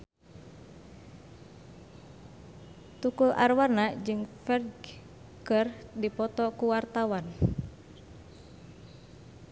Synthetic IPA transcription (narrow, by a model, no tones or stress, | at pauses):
t̪ukulʔa̰rwarnad͡ʒɨŋfɛrɡ | kərdipɔt̪ɔkuwart̪awan